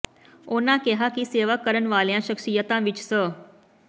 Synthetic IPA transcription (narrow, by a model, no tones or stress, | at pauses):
oːnãkeɦakiseːʋakːəɾənʋaːljãʃəkʃijət̪ãʋit͡ʃsə